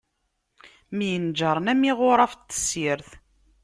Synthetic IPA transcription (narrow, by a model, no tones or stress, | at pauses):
mjənd͡ʒəɾˤnæmːiʁʊɾˤɑft̪ːə̥siɾθ